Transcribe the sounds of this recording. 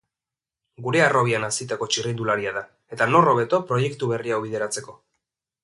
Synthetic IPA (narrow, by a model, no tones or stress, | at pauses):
ɡuɾe̞aro̞βianasit̪ako̞t͡ʃirind̪ulaɾiaða | e̞t̪ano̞ro̞βe̞t̪o̞pɾo̞je̞kt̪uβe̞riawβið̞e̞ɾat͡se̞ko̞